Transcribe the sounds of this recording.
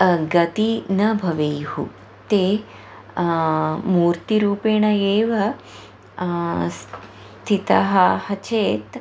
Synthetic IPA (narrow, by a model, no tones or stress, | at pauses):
ɡɐt̪inɐbʱɐʋejhṵ | t̪eː | muːɾt̪iɾuːpeːɳɐeːʋɐ | s | t̪ʰit̪ɐɦɐhɐt͡ʃeːt̪